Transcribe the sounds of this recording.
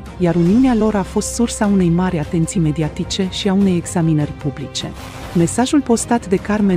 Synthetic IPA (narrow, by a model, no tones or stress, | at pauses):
jaɾuniunealo̞ɾafo̞st̪sursaune̞jmaɾʲat̪e̞nt̪sime̞d̪iat̪it͡ʃe̞ʃiaune̞je̞ɡz̥aminərʲpublit͡ʃe̞̰ | me̞saʒulpo̞st̪at̪d̪e̞karme